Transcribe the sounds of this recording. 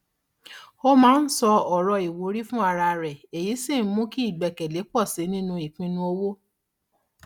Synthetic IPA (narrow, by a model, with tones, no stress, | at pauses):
o˦mãː˨˦n̩˦sɔ˧ɔ˨ɾɔ˧i˨wo˨˦ɾi˦fũ˦a˧ɾa˧ɾɛ˨e˨ji˨˦si˦˨n̩˦mũ˦ki˦i˦˨ɡ͡bɛ˨kɛ˨le˨˦k͡pɔ˦˨si˨˦nĩ˦nũ˧i˨k͡pĩ˧nũ˧o˧wo˦